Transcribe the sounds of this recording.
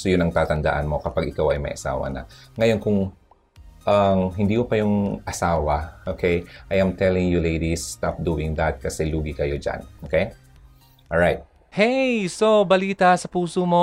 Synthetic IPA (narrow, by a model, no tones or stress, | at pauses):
sojʊnɐŋt̪aːt̪ɐnd̪a̰ʔa̰nmo̞kɐpaɡɪkawɐ̰jmɐ̰jʔɐsa̰ːwɐ̰nɐ̰ŋɐjo̞nkʊŋ | ʔɐmɦɪnd̪iːhopɐjʊŋʔɐsaːwɐʔokʰejʔɐjʔajmt̪ʰɛlɪŋjulejd̪ist̪ap̚d̪uːɪŋðat̪̚kɐsɛluːɡɪkɐjo̞d͡ʒa̰nʔokej | ʔolɹajt̪̚ | hejsobɐliːt̪asɐpuːsomo